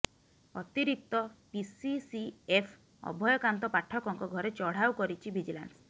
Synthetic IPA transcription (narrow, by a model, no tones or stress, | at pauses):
ɔt̪iɾik̚t̪ɔpisisiepʰ | ɔ̰bʱɔjɔkant̪ɔpaʈʰɔkɔŋkɔɡʱɔɾet͡ʃɔɽ̤awkɔɾit͡ʃʰibʱid͡ʒila̰ns